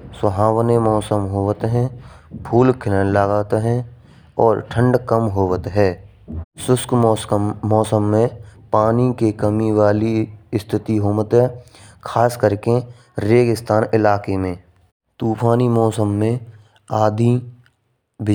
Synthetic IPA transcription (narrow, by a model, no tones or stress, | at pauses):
swəɦaːwnemɔːsəmɦoːʋət̪ɦɛ̃pʰuːlkʰɪlənlaɡaːt̪ɦɛ̃ | ɔːɾʈʰə̃ɳɖkəmɦoːwət̪ɦɛː | sʊsk | mɔːsəmːẽpaːnikekəmiwaːliɪst̪ʰɪt̪iɦoːmət̪ɦɛː | kʰaːskəɾke | ɾeːɡɪst̪aːnɪlaːkemẽː | t̪uːpʰaːnimɔːsəmːẽ | aːd̪ʱi | bɪ